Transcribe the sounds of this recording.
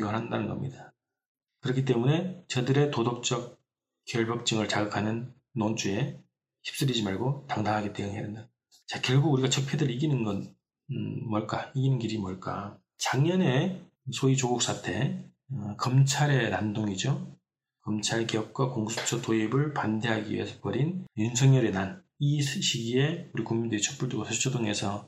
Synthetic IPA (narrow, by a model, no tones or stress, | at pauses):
ɡʌɾɦandanɯnɡʌ̰mɲḭda | kɯɾʌkʰit̬͈e̞mune̞t͡ɕʌdɯɾe̞todok̚t͡ɕ͈ʌk̚ | k͈ːjʌɭbʌk̚t͡ɕ͈ɯŋɯɭt͡ɕaɡɯkʰanɯnː | ont͡ɕ͈ʰue̞ | çi̥p̚s͈ɯɾid͡ʑimaɭɡotaŋdaŋɦaɡet͈eɯŋɦedɯnda | t͡ɕakjʌɭɡuɡuɾiɡat͡ɕʰʌk̚pʰedɯɭiɡinɯnɡʌn | mwʌɭk͈aiɡinɯnɡiɾimwʌɭk͈a̰ | t͡ɕaŋɲʌne̞ | sʰoit͡ɕoɡuk̚s͈ʰatʰe̞ | kʌmt͡ɕʰaɾe̞ɾandoŋid͡ʑo | kʌmt͡ɕʰaɾkijʌp̚k͈wakoŋsʰu̥t͡ɕʰʌtoibɯɭpande̞ɦaɡiḭe̞sʰʌpʌɾinjunsʰʌŋɲʌɾenan | iɕʰiɡie̞uɾikuŋmindɯɾit͡ɕʰʌk̚p͈uɭdoɡosʰet͡ɕʰodoŋe̞sʰʌ